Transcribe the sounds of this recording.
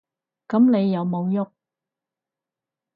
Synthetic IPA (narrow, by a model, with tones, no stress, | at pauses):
kɐ˨˥mne˨˧jːɐ˨˧wmo˨˧wjʊ˥k̚